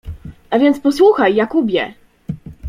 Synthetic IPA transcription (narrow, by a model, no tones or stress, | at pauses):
ʔavʲjɛnt̪spɔswuxajːakubʲjɛ̰